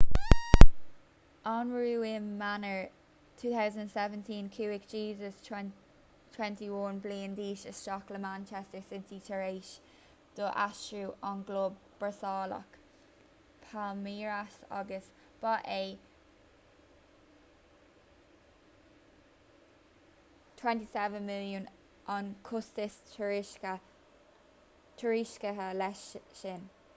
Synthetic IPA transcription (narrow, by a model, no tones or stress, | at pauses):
ʔɔnɹuːɪnmanə˞ | tʰuːθaʊzəndənsɛvə̃ntʰĩːnkʰuːɪkd͡ʒiːzəs | tʰw̥ɛ̃ntiwɔnbliːndiːʃəst͡ʃɔkləmãnt͡ʃʰɛstəɹsɪntitʰəɹeːʃ | d̥oʔaʃɹuʔɔnɡloːbb̥əsɑːlɔ̰k | pʰamiːɹasa̰ɡəs | b̥aʔeː | tʰwɛntisɛvənmɪljən | ʔɔnkʰʊstɪstʰəɹɪʃkə | tʰəɹiʃkəɦəlɛʃʃɪn